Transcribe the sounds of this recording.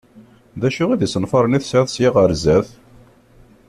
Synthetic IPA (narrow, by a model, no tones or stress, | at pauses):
ðæʃʊʁiðisənfɑɾˤəniθsʕæθsjiʁəɾzæθ